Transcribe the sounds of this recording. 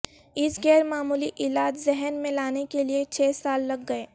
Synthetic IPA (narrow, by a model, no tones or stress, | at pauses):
ɪsɡɛːɾmaːmuːliʔɪːlaːd͡ʒzɛɦɛnmẽlaːnekeliet͡ʃʰɛːsaːlːɐɡːɐeː